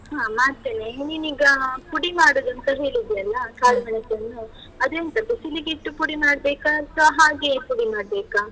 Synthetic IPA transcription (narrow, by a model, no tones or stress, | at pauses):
ɦaːmaːɾt̪eːneniniɡɐpuɽimaːɽoːd̪ɐnt̪ɐɦe̞ːɭid̪ɛjɐlːɐkaːlmɐɳɐsɐnːu | ɐd̪ɐint̪ɐd̪usiliɡiʈːupuɽimaːɽbeːkaɐt̪ʰɐɦaːɡepuɽimaːɽbeːka